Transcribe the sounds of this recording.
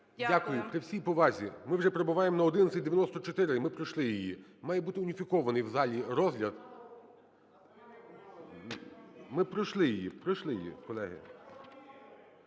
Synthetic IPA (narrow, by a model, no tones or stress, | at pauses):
dʲakʊjʊpɾɪwsʲijpɔʋɑzʲimɪwʒɛpɾɔbʊʋɑjemɔnɐɔd̪ɪnɐt̪sʲɪt̚ʲd̪eʋʲjɐnɔst̪ɔt͡ʃɔt̪ɪɾɪmɪpɾɔjʃlˠɪjijḭmɑjɛbut̪ɪʊnʲifʲikɔʋɐnɪjwzɑlʲiɾɔzɦlʲɐd̪ | mɪpɾɔʃlˠɪjijḭpɾɪʃlˠɪjjḭkɔlˠɛɦɪ̰